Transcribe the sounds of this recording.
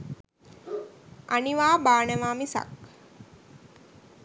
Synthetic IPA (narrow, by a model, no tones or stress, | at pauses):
aniʋaːbaːnəʋaːmisa̰k̚